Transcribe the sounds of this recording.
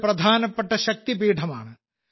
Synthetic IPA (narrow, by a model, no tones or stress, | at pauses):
prɐd̪ʱaːnɐpːeʈːɐɕɐk̚t̪ibiːʈʰɐma̰ːɳɨ